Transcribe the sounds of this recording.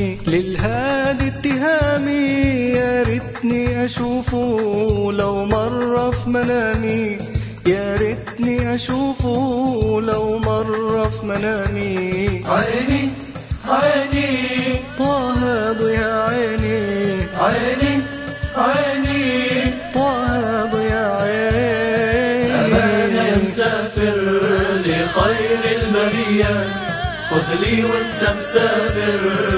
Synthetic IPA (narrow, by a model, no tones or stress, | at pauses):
lɪlɦaːd̪it̪ːɪɦaːmijaɾɪd̪niʔaʃuːfulawmɑrˤːɑfmanaːmi | jaːɾɪd̪niʔaʃuːfulawmɑrˤːɑfmanaːmiajni | anit̪ˤɑːɦad̪ˤʊjaʕaːniajni | ajnit̪ˤɑːhad̪ˤʊjaʕa | amamsaːfɪɾlɪxajɾɪlbaɾia | xʊd̪liːwʊnt̪amsaːfɪɾ